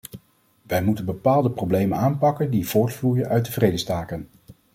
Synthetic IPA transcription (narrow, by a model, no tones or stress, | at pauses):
ʋɛjmutənbəpaːlˠdəprowblejmənaːnpɑkəndiv̥ʊːɹtflujənʔœɥ̚dəvrejdəstaːkən